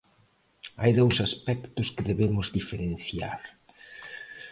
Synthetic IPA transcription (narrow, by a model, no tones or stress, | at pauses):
a̰jðɛwsaspɛkt̪ʊskɪðeβemʊzðifeɾen̟θja̰ɾ